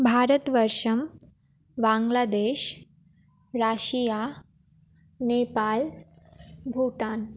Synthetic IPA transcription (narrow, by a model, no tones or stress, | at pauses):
bʱaɾət̪ʋəɾʂəm | ʋaŋɡlad̪eɕ | ɾaɕija | nepal | bʱuʈan